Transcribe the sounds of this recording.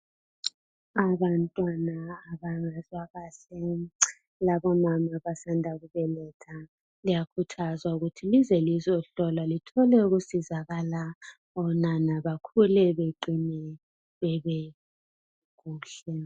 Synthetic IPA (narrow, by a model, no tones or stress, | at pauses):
aβantʼwanaːβaŋazwaɣaːɬɛ | laβɔmamaβasandʱaɣuβɛlɛtʰa | lijakʰutʰazwauɣutʰilizɛlizɔɬɔlalitʰɔlɛuɣusizaɣala | ɔnanaβakʰulɛβeǃinɛ | βɛβɛ | ɣuːɬɛ